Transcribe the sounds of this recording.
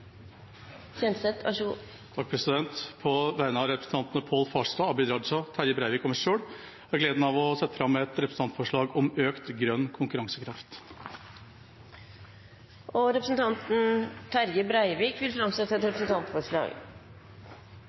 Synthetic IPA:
çɛnt̪sɛt̪ʰɑ̰ʂ | t̪ʰɑk̚pʰɾɛsɪd̪ɛnt̪pʰɔʋæɪnəɑɾɛpɾəsn̩t̪ɑnt̪ənəpʰoːlfɑːʂt̪ɑːɑbɪd̪ɾɑd̪ʂɑt̪ʰæɾəbɾæɪʋɪːkɔməʂʂøːɽ | æɾɡleːd̪n̩ɑʋɔsɛt̪ːə̥fɾɑmːɛt̪ɾɛpɾəsn̩ɑnt̪fɔʂɭɑːɡɔmøːkt̪ɡɾœnːkʰʊŋkʉɾɑŋsəkʰɾɑft̪ | ʔɔɾɛpɾəsn̩t̪ʰɑnt̪n̩t̪ʰæɾɡəbɾæɪʋiːkʋɪlfɾɑmsɛt̪ːəɛt̪ɾɛpɾəsn̩t̪ʰɑnt̪fɔʂɭɑ̰ːɡ

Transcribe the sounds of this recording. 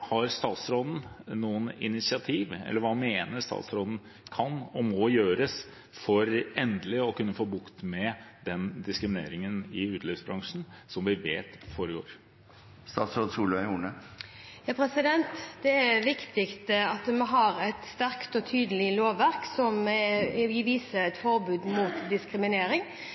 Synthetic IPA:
hɑɾst̪ɑːt̪sɾoːd̪n̩nuːənɪ̰nɪt̪sɪɑt̪ʰiːʋɛ̰lːəɾʋɑːmeːnəɾst̪ɑ̰ːt̪sɾoːd̪n̩ | kʰɑnːɔmɔjøːɾəs | fɔɾɛnd̪lɪɔkʉnːəfoːbʊkt̪mɛd̪ɛnd̪ɪskɾɪmɪnḛːɾɪŋənɪʉːt̪ʰlɪfsbɾɑŋʂn̩sɔmʋɪʋeːt̪foːɾəɡo̰ːɾ | st̪ɑ̰ːt̪sɾod̪suːləʋæuːɳəjɑːpʰɾɛsɪd̪ɛnt̪d̪̥ɛæʋɪkt̪ɪkt̪əɑt̪mɛɦɑɾɛt̪st̪æɾkt̪ɔt̪ʰyːd̪əlɪloːʋæɾksɔm | ɪʋiːsəɾɛt̪fɔɾbʉːd̪muːt̪d̪ɪskɾɪmɪneːɾɪŋ

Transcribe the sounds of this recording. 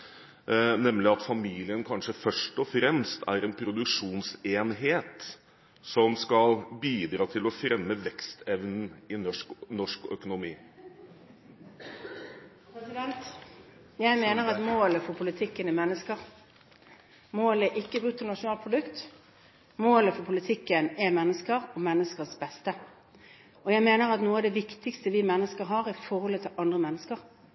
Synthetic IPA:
nɛmːlɪɑt̪fɑmiːlɪənkʰɑnʂəfœʂʈɔfɾɛmst̪ʰæ̰ɾɛnpʰɾʊd̪ʉkʂuːnseːnɦeːt̪ | sɔmskɑlbiːd̪ɾɑːt̪ʰɪlɔfɾɛmːəʋɛkst̪ʰɛʋnn̩ɪnɔknɔʂkœ̰kʊnʊmiː | pɛsɪd̪ɛnt̪ | jæɪmeːnəʁɑt̪moːləfɔpʰʊlɪt̪ʰɪkːənɛmɛnːəskəʁ | moːlɛʔɪkːəʉːt̪ʰːənɑʂʊnɑːlpʰʁʊd̪ʉkt̪ | moːləfɔpʰʊlɪt̪ʰɪkːənɛmɛnːəskəʁɔmɛnːəskəsbɛst̪ə | ʔɔjæɪmeːnəʁɑt̪nuːɑʋd̪ɛʋɪkt̪ɪkst̪əʋɪmɛnːəskəɾɦɑːʁɪfɔɾhɔlət̪ʰɪlʔɑnd̪ʁəmɛnːəskəʁ

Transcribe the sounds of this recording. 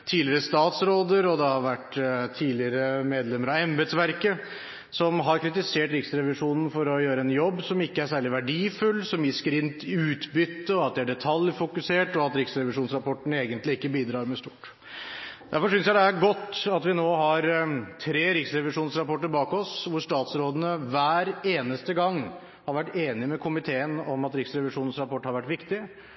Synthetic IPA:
t̪ʰiːlɪəɾəst̪ɑːt̪sɾoːd̪əɾɔd̪ɛhɑɾʋæʈt̪ʰiːlɪəɾəmeːd̪lɛməɾɑɛmbɛd̪sʋæɾkə | sɔmɦɑɾkʰɾɪt̪ɪseːʈɾɪksɾɛʋɪʂuːnn̩fɔɾɔjøːɾəɛnjɔbːsɔmɪkːəæʂæːɭɪʋæɖiːfʉlːsɔmjɪskəɾɪnt̪ʉːt̪bʏt̪ːəɔɑt̪̚d̪ɛæɖɛt̪ʰɑljfʊkʉseːʈɔɑt̪ɾɪksɾɛʋɪʂuːnsɾɑpɔʈːɳ̩eːɡənt̪lɪɪkːəbiːd̪ɾɑːɾmɛst̪uːʈ | dd̪æɾfɔʂʏnsjæɪd̪ɛæɾɡɔt̪ːɑt̪ʋɪnoːɦɑɾt̪ʰɾeːɾɪksɾɛʋɪʂuːnsɾɑpɔʈːəɾbɑːkɔsʋʊʂt̪ɑːt̪sɾoːd̪ənəʋæːɾeːnəst̪əɡɑŋː | hɑɾʋæʈːeːnɪmɛkʰʊmɪt̪ʰeːənɔmɑt̪ɾɪksɾɛʋɪʂuːnn̩sɾɑpɔʈːhɑɾʋæʈːʋɪkt̪ɪ

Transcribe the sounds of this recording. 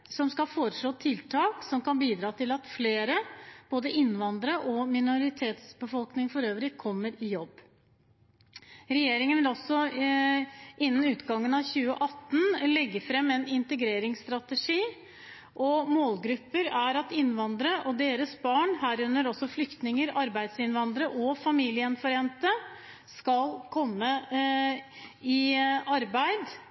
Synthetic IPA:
sɔmskɑfoːɾəʂɭoːt̪ʰɪlt̪ʰɑːksɔmkɑnbiːd̪ɾɑːt̪ʰɪlɑt̪fleːɾəb̥oːd̪əʔɪnʋɑnd̪ɾəʔɔmɪnʊɾɪt̪ʰeːt̪sbəfɔlknɪŋfɔɾøːʋɾɪkʰɔmːəɾɪjɔbː | ɾɛjeːɾɪŋənæɾɔsːɔ | ɪnːən̩ʉːt̪ɡɑŋːənɑʋçʉːə̰ʔɑt̪ːn̩lɛɡːəɾfɾɛmːɛnɪnt̪əɡɾeːɾɪŋst̪ɾɑt̪əʂiː | ʔɔmoːlɡɾʉpːəɾæɾɑt̪ɪnʋɑnd̪ɾəʔɔd̪eːɾəsbɑːɳɦæːɾʉnːəɾɔsːɔflʏkt̪nɪŋəɾɑɾbæɪd̪sɪnʋɑnd̪ɾəʔɔfɑmiːlɪəɛnfɔɾɪɛnt̪ə | skɑlkʰɔmːə | ɪɑɾbæɪd̪

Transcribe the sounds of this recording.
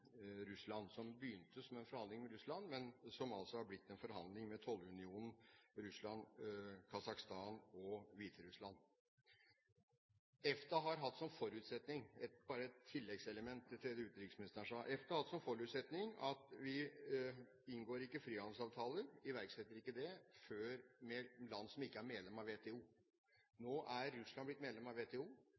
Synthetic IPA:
ɾʉslɑnsɔmbəjʏnt̪əsɔmɛnfɔɾhɑnd̪lɪŋmɛɾʉslɑnmɛnsɔmɑlsɔhɑɾblɪt̪ːɛnfɔɾɦɑnd̪lɪŋmɛt̪ʰɔlːʉnɪuːnn̩ɾʉslɑnkʰɑsɑkst̪ɑːnɔʋiːt̪ʰəɾʉslɑn | ɛft̪ɑɦɑɾɦɑt̪ːsɔmfɔɾʉːt̪sɛt̪nɪŋɛt̪bɑːɾəɛt̪ʰːɪlːɛɡsɛləmɛnt̪ʰːɪt̪ʰːɾɛd̪əʉːt̪ɾɪkːəsmɪnɪst̪əʂɑʔɛft̪ɑhɑt̪ːsɔmfɔɾʉːt̪sɛt̪nɪŋɑt̪ʋɪ | ɪnɡoːɾɪkːəfɾiːhɑnsɑːʋt̪ʰɑːləɾɪʋæɾksɛt̪ːəɾɪkːəd̪ɛføːɾmɛlɑnːsɔmɪkːəæɾmɛd̪lɛmɑʋeːt̪ʰɛːuː | noːʔæɾːʉslɑnblɪt̪mɛd̪lɛmɑʋeːt̪ʰeːuː

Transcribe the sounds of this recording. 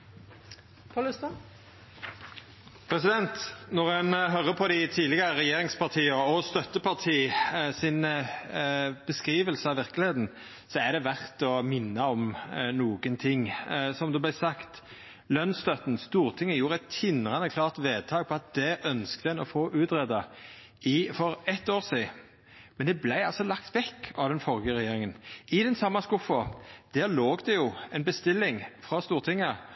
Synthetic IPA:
pʰːlst̪ː | pʰɾɛsɪd̪ɛnt̪nɔʁɛnɦœɾːəpʰɔd̪ɪt̪ʰiːlɪɡɑɾəɾɛjeːɾɪŋspʰɑʁt̪ʰiːəɔst̪œt̪ːəpʰɑʁt̪ʰiːsɪn | b̥əskʁiːʋəlsəɑʋɪʁkəlɪheːt̪n̩ | sɔæd̪ɛʋæʁt̪ɔmɪnːəɔmnuːɡənt̪ʰɪŋsɔmd̪ɛblæɪsɑkt̪ | lœnst̪œt̪n̩st̪uːɾt̪ʰɪŋːəjuːɾəɛt̪ʰːɪnʁɑnəkʰlɑːʁt̪ʋeːd̪̚t̪ʰɑːɡ̚pʰɔɑt̪̚d̪̥ɛʔœnskt̪əɛnɔfoːʔʉːt̪ʁɛd̪ɑ | ɪfɔɾɛt̪ːoːʁsiː | mɛnd̪ɛblæɪɑlsɔlɑkt̪ʋɛkːɑʋd̪ɛnfɔɾɡəɾɛjeːɾɪŋənɪd̪ɛnsɑmːɑskʊfɔd̪̥æːɾloːɡd̪ɛjʊɛnbəst̪ɪlːɪŋfɾɑst̪uːɾt̪ʰɪŋːə

